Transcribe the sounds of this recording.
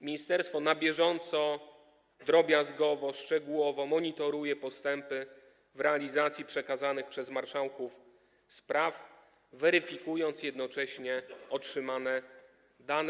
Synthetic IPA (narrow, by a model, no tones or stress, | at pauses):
mʲiɲist̪ɛɾst̪fɔnabʲjɛʐɔnt̪sɔ | d̪ɾɔbʲjazɡɔvɔʂt͡ʂɛɡuwɔvɔmɔɲit̪ɔɾujɛpɔst̪ɛmpɘ | vɾɛalʲizat̪sʲjipʂɛkazanɘxpʂɛzmaɾʂawkuf | spɾaf | vɛɾɘfʲikujɔnt̪sjɛd̪nɔt͡ʂɛɕɲɛɔtʂɘmanɛ | d̪anɛ